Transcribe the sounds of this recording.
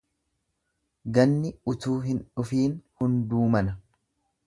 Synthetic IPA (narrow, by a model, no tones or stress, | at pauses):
ɡɐnːɪʊt̪uːɦɪnᶑʊfiːnhʊnd̪uːmɐnɐ